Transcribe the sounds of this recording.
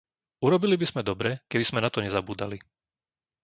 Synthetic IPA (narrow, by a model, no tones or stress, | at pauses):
uɾɔbilibiz̥mɛd̪ɔbɾɛkɛbiz̥mɛnat̪ɔɲɛzabuːd̪a̰li